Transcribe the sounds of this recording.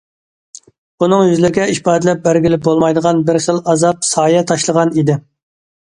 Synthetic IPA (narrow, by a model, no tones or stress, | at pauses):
unɨŋjyzlɪɾɪɡʲɛiʃpɑːd̪ɪlɛp̚bæɾɡʲɪlɪp̚bolˠmɑjd̪əʁɑnbɪɾχəlˠɑzɑp̚sɑːjɛt̪ʰɑʃlˠəʁɑnid̪ɪ